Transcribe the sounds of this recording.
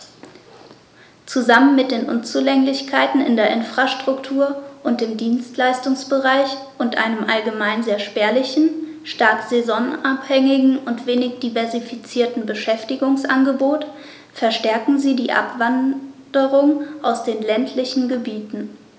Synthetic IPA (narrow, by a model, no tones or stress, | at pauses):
t͡suzamənmɪt̚d̥eːnʔʊnt͡sulɛŋlɪçkʰaɪtn̩ɪ̰ndeːɐʔɪnfʁ̥aʃtʁ̥ʊktʰuːɐʔʊnt̚d̥eːmdiːnstlaɪstʊŋsb̥əʁaɪçʔʊntʔa̰ɪnəmʔalɡəmaɪnzeːɐʃpɛːɐlɪçn̩ʃtaɐkz̥ezɔnaphɛŋɪɡŋ̩ʔʊntv̥eːnɪçd̥ivɛɐzifit͡siːɐtn̩bəʃɛftɪɡʊŋsʔa̰nɡəboːt | fɛɐʃtɛɐkŋ̩ziːdiːʔa̰pv̥andəʁʊŋʔaʊsd̥eːnlɛntʰlɪçn̩ɡəbiːtn̩